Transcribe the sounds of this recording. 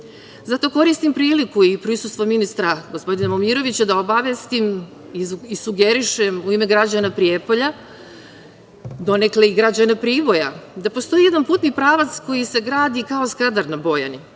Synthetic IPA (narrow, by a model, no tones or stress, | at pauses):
zat̪o̞ːko̞ɾist̪impɾiːlikuipɾisust̪ʋo̞minist̪ɾaɡo̞spo̞d̪inamomiɾo̞ʋit͡ɕad̪aobaʋjest̪im | iisuɡeɾiʃemuime̞ɡɾad͡ʑanapɾiepo̞ʎa | d̪o̞ne̞kleiɡɾad͡ʑanapɾiːʋo̞jad̪apo̞st̪o̞jijeanpuːt̪nipɾaːʋat̪sko̞jise̞ɡɾaːd̪ikaoskad̪aɾnabo̞ja̰ni